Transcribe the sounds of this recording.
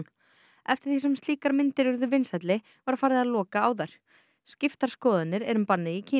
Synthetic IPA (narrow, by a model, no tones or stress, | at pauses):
n | ɛft̪ɪ̥ɾ̥θisɛmst̪liːkaɾmɪnt̪ɪɾʏɾðʏvɪnsɛt̪lɪ | vaɾ̥faːɾðɪaðlɔːkaaːwðajɾ̥ | scɪft̪aɾ̥skɔːðanːɪɾɛɾʏmpanːɪicʰiː